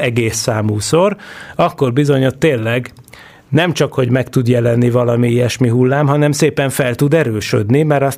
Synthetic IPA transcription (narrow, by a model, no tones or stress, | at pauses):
ɛɡeːsːaːmuːsorɒkːorbizo̞ɲo̞t̪ːeːnlːɛɡ | nɛmt͡ʃɒkho̞ɟmɛkt̪ud̪jɛlɛnːivɒlɒmiijɛʃmiɦulːaːmɦɒnɛmseːpɛɱfɛlt̪ud̪ɛɾøːʃø̰d̪nimɛɾɒs